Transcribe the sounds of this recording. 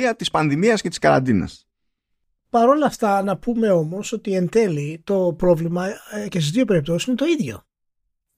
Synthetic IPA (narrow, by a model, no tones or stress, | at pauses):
iɐt̪ispɐnðimiɐscet̪i̥skɐɾɐ̰nd̪inɐ̰s | pɐɾo̞lɐft̪ɐnɐpume̞o̞mo̞so̞t̪ie̞nd̪e̞lit̪o̞pɾo̞vlimɐcesizðio̞pe̞ɾip̚t̪ossinet̪o̞iðʝo̞̰